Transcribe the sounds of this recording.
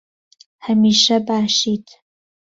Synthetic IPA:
hɐmiːʃɐbaːʃiːt̪ʰ

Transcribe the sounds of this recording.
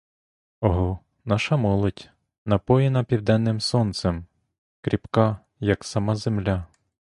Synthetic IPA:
ɔɦɔ | nɑʃɐmɔlˠɔtʲ | nɐpɔjɪnɐpʲiwd̪ɛnːɪmsɔnt̪sem | kɾʲipkɑ | jɐksɐmɑzemlʲa

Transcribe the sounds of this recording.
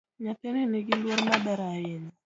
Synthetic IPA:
ɲat̪ɛnɛneɡɪlwoɾmabɛɾaɪn

